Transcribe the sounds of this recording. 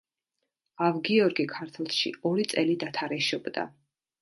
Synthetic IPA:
avɡiɔɾɡikʰaɾt̪ʰlˠʃḭɔɾit̪sʼɛlid̪at̪ʰaɾɛʃɔbd̪a̰

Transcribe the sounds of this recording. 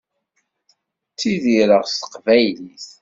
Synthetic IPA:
t͡sːiðiɾəʁst̪ə̥qvæjliθ

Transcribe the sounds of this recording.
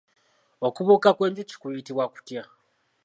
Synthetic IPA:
okuβokakweːɲd͡ʒici̥kujitiβwaku̥tja

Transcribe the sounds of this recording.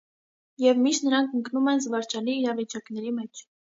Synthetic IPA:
jɛvmiʃt̪nəɾɑŋkʰəŋknumɛnzvɑɾt͡ʃɑliːɾɑvit͡ʃɑknɛɾimɛt͡ʃʰ

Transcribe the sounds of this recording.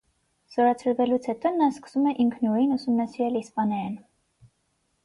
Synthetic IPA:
z̥ɔɾɑt͡sʰəɾvɛlut͡sʰhɛt̪ɔnɑskə̥sumɛʔiŋkʰnuɾinusumnɑsiɾɛlispɑnɑjɑn

